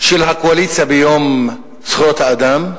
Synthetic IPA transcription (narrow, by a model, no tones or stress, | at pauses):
ʃelɦakoalit͡sijabejom | t͡sχot̪haːd̪am